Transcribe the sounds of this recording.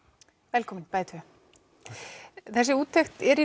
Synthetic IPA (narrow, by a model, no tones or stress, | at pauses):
vɛlkʰɔːmɪnpajt̪ʰœ | θɛsːɪuːt̪ʰːext̪ɛɾi